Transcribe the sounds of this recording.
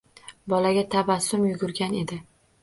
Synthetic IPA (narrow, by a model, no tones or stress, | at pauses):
bɒlaɡʲat̪ʰabasʊmjʊɡʊɾɡʲane̞d̪ɪ